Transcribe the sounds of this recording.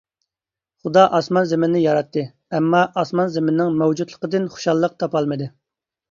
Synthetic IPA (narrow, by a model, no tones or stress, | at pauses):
χud̪ɑʔɑsmɑnzɪmɪnnɪjɑɾɑt̪ʰːɨ | ɛmːɑʔɑsmɑnzɪmɪnnɪŋmɛwd͡ʒut̪lˠəqəd̪ɪnχu̥ʃɑlˠːəq̚t̪ʰɑpɑlˠmɨd̪ɨ